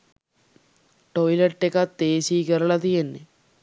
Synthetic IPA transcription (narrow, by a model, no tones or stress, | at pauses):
ʈojlɐʈːekat̪ːeːsiːkɐɾɐɭɐt̪ijenːe